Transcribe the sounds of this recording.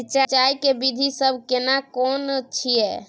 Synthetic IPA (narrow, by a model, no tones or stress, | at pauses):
t͡ʃat͡ʃajkebid̪ʱisəbʱkenakɔːnət͡ʃʰiɛː